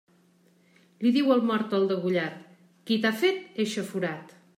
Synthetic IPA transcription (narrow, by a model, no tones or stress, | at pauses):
liðiwəlˠmɔɾt̪əlˠd̪əɣuʎat̪ | kit̪afet̪eʃəfuɾat̪